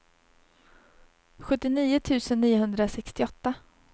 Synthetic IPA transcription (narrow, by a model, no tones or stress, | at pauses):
ɧɵt̪ːɪniːʊt̪ʰʉ̟ːsənːiːʊɦɵnd̪ɾasɛkst̪ɪɔt̪ːa